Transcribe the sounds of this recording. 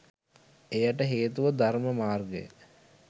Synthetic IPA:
ejaʈəɦeːt̪uʋəd̪arməmaːrɡḛjə̰

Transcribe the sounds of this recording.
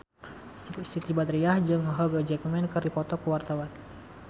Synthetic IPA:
sit̪ibat̪ɾiahd͡ʒəŋəɦɔɡəd͡ʒɛkmɛnkəɾipɔt̪ɔkəwart̪awan

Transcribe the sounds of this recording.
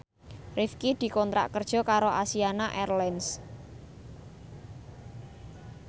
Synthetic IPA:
rifkid̪̥i̤kɔnt̪ɾa̰ʔkərd̥ʒ̥ɔ̤kaɾoʔasianaʔɛrlɛns

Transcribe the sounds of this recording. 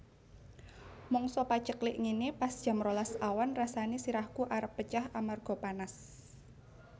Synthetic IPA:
mɔŋsɔpḁt͡ʃəklɪʔŋinipasd̥ʒ̥a̤mɾolasawanrasanisiɾahkuʔaɾəpːət͡ʃahamarɡ̥ɔ̤panas

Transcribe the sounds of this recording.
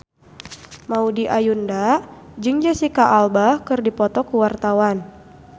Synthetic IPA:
maudiʔajundad͡ʒɨŋd͡ʒasikaʔalbakɨrdipɔt̪ɔkuwart̪awan

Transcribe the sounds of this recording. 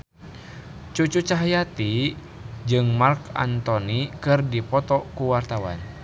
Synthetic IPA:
t͡ʃut͡ʃut͡ʃaɦajat̪i | d͡ʒɨŋmarka̰nt̪ɔnikɨrdipɔt̪ɔkuwart̪awa̰n

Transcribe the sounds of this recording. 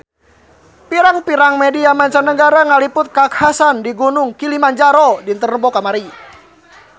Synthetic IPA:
piɾaŋpiɾaŋmɛdiamaɲt͡ʃanəɡaɾaŋalipʊt̪̚kakhasandiɡunʊŋkilimaɲd͡ʒaɾɔdint̪ərəmbɔkamaɾi

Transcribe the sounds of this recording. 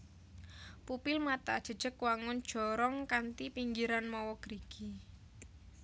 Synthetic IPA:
pupɪlmat̪a̰d̥ʒ̥ə̤d̥ʒ̥ə̤kwaŋʊnd̥ʒ̥ɔ̤ɾɔŋkant̪ipiŋɡiɾanmɔwɔɡ̥ɾiɡ̥i

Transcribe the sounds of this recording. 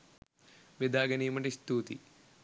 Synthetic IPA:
ʋed̪aːɡɐniːmɐɳʈist̪uːt̪ḭ

